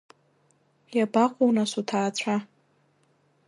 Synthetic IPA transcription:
jabaqʷʼownasutʰaːt͡sʷʰa

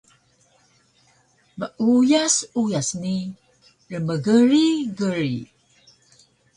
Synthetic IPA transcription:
məʔujasujasni | ɾəməɡəɾiɡəɾi

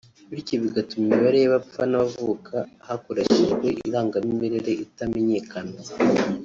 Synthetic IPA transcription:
βiciβiɡatumimiβaɾejaβafanavuːkʰahakuɾaçiʒɡwe̞ʔiɾaːŋɡamimeɾeɾeʔitame̞ɲe̞ːkana

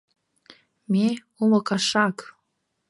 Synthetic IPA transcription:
me | umɤ̆kɑʃɑk

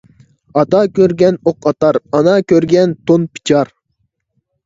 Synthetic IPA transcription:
ɑt̪ɑkʲøɾɡʲɛnoqɑt̪ɑɾɑnɑkʲøɾɡʲɛnt̪ʰonpʰi̥t͡ʃʰɑɾ

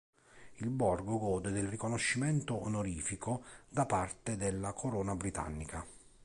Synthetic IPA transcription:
ilbɔrɡʊɡɔːd̪ed̪ɪlrikonoʃːimɛnt̪ʊːnoɾiːfikod̪apart̪ɪd̪ɪlːakʰoɾɔːnabɾit̪a̰nːika

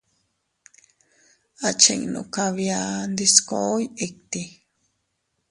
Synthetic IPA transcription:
at͡ʃḛŋnṵ̃kaβjand̪iskoojek̚t̪i

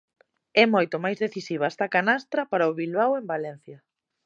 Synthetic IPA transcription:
ɛmojt̪omajzðeθisiβaest̪ɐkanast̪ɾɐpaɾaoβilβawembalɛn̟θjɐ

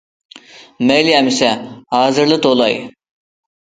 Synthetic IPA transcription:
mejliɛmisɛhɑːzɨɾlˠɯt̪olˠɑ̰j

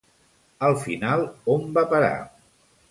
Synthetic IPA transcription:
əlˠfinalˠombapəɾa̰

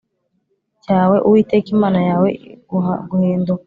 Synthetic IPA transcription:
caːwe̞ʔuwiːte̞kimaːnajaːwe̞ɡuaɡuheːndu

